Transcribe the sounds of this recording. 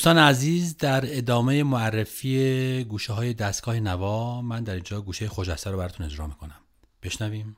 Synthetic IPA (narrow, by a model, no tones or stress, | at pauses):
d̪ust̪ɒːneæziːzd̪æɾe̞d̪ɒːme̞jemoærːe̞fiːeɡuːʃeɦɒːje̞d̪æst̪ɡɒːhe̞nævɒːmænd̪æɾiːnd͡ʒɒːɡuːʃejexoʃæst̪æɾobæɾɒːt̪une̞d͡ʒɾɒ̰ːmiːkʰo̞næm | b̥e̞ʃnæviːm